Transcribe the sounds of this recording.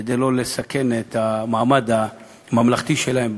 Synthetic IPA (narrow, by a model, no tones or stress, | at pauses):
ed̪ejlo̞le̞sake̞net̪amaamad̪a | mamlaχt̪iʃelahem